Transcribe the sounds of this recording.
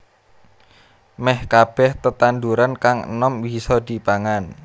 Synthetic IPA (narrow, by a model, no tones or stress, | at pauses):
mɛhkab̥ɛht̪ət̪and̪uɾankaŋ̰nɔmwisɔd̪i̤paŋan